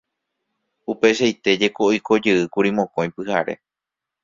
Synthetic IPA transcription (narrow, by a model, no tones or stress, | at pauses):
upe̞ʃajt̪e̞d͡ʒe̞ko̞ʔiko̞d͡ʒɨɨkuɾimõ̞kõj̃pɨhaɾe̞̰